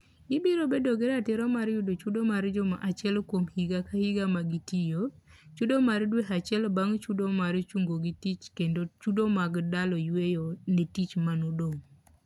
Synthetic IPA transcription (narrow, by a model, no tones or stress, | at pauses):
ɡɪbiɾobedoɡeɾatɛɾɔmaɾjʊdot͡ʃudomaɾd͡ʒɔma̰ʔat͡ʃɛlkwomhiɡakahiɡamaɡitijot͡ʃudomaɾdweɦat͡ʃɛlbaŋt͡ʃudomaɾt͡ʃuŋɡoɡitit͡ʃkendot͡ʃudomaɡdalɔjwejonetit͡ʃmanodoŋ